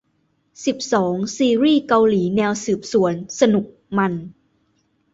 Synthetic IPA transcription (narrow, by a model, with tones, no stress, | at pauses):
si˨˩p̚sɔː˩˦ŋsiː˧ɾiː˥˩ka˧wliː˩˦nɛː˧wsɯː˨˩p̚su˩˦ənsa˧nu˨˩k̚ma˧n